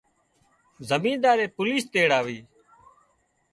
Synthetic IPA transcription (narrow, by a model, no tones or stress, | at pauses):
zəmĩːnd̪aːɾeːpʊliːst̪eːɽaːʋiː